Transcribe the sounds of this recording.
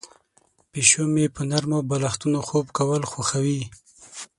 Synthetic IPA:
peʃomepənaɾmobalaxt̪unoxobkawəlxwaxawi

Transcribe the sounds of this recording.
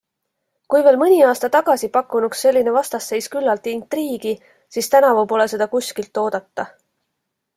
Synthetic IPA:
kujve̞ːlmɯnʲiɑːst̪ɑt̪ɑɡ̥ɑsipɑkːˑunuksːe̞lʲːinevɑst̪ɑsːe̞jskylːɑlt̪iint̪riːɡ̥i | siːst̪ænɑvupo̞le̞se̞d̪̥ɑkusʲkilt̪ːo̞ːd̪̥ɑt̪ːɑ

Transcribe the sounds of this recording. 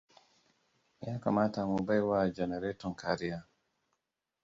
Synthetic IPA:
ijakamatamubajwad͡ʒɛnɛɾɛtɔnkaɾija

